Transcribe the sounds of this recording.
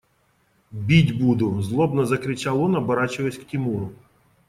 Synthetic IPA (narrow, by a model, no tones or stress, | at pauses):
bʲidʲbud̪ʊzlˠɔbnɐzɐkɾɪt͡ʃalˠɔnɐbɐɾɑt͡ʃɪʋɐsʲktʲimuɾʊ